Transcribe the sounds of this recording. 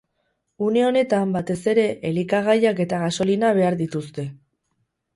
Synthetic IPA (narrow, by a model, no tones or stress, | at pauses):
uneo̞ne̞t̪ambat̪e̞se̞ɾe̞ʔelikaɣ̞ajake̞t̪aɣaso̞linaβ̞e̞aɾðit̪ust̪e̞